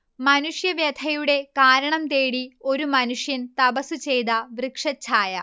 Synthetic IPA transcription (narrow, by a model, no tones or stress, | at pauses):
mɐnuʂjɐʋjɐd̪ʰʱɐjuɽe̞kaːɾɐɳɐmt̪eːɽio̞ɾumɐnuʂjɐnt̪ɐbɐsut͡ɕe̞jd̪ɐʋrɨkʂɐt͡ɕːaːjɐ